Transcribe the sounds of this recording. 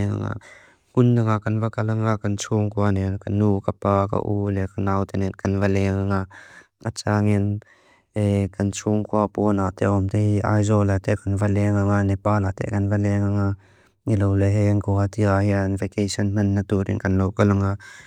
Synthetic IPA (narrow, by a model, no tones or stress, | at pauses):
ŋa̰ŋa̰ʔ | hundaŋaʔkɐnvakɐlaŋakɐnt͡sʰuŋkʰuanɛnkɐnːukapaːka̰ʔulɛkanawt̪ɛnɛnkɐnvalɛŋaŋa | ʔat͡saŋin | ɛkɐnt͡sʰuŋkʰuapunat̪ɛʔɔmt̪eiʔa̰jzɔlat̪ɛʔkɐnvalɛŋaŋanɛpaːlat̪ɛ̰ʔkɐnvalɛŋaŋa | ilowlɛɦɛnkɔat̪iahianvɛkesɔnmɐnːat̪uɾḭnkɐnlowkɐlaŋa